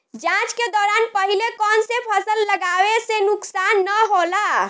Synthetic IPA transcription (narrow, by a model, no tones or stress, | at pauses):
d͡ʒãt͡ʃked̪ɔɾanpəɦilekɔnsepʰəsəlːəɡabesenuksanːəɦola